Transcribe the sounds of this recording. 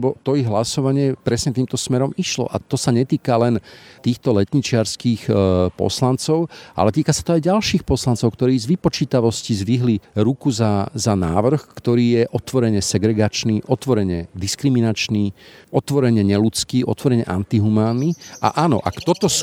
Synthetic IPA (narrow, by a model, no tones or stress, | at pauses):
bɔt̪ɔiɣɦlasɔʋaɲɪɛpɾɛsɲɛt̪iːmt̪ɔsmɛɾɔmiʃlɔ̰ʔa̰t̪ɔsaɲɛt̪iːkalɛnt̪iːxt̪ɔlɛt̪ɲit͡ʃɪaɾskiːxpɔ̰slant͡sɔʊʔa̰lɛt̪iːkasḁt̪ɔajɟalʃiːxpɔslant͡sɔʊkt̪ɔɾiːzʋipɔt͡ʃiːt̪aʋɔscizʋiɦliɾukuzazana̰ːʋr̩xkt̪ɔɾiːjɛʔɔt̪ʋɔɾɛɲɛsɛɡɾɛɡat͡ʃniːʔɔt̪ʋɔɾɛɲɛd̪iskɾiminat͡ʃniːɔt̪ʋɔɾɛɲɛɲɛlut͡skiːʔɔ̰t̪ʋɔɾɛɲɛʔa̰nt̪iɦumaːnːia̰ʔaːnɔ̰ʔa̰kt̪ɔt̪ɔs